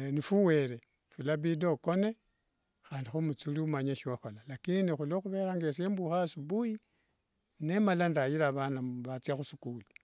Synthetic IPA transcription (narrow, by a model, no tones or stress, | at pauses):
nifuwe̞ɾe | fulaβido̞ko̞ne̞ | xaːndixumut͡suliumaɲeʃiwaxolalakinixuloxuβe̞ɾaŋɡesiembuxasuβuji | nemalandajiɾaβanaβat͡sjaxusu̥kuli